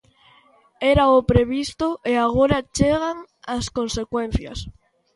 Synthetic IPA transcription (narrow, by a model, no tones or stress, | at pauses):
eɾaopɾeβist̪oʔeaɣ̞oɾat͡ʃeɣ̞aŋ | askonsekwẽn̟θja̰s